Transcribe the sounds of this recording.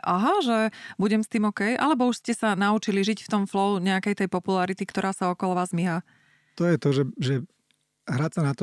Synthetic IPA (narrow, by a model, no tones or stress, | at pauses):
ʔaɦaʒɛbuɟɛmst̪iːmɔkɛjʔa̰lɛbɔuʃscɛsanaut͡ʃiliʒicft̪ɔmflɔuɲɛakɛjt̪ɛjpɔpulaɾit̪ikt̪ɔɾʔaːsaɔkɔlɔʋaːzmiɦa | t̪ɔjɛt̪ɔʒɛʒɛ | ɦɾasanat̪ɔ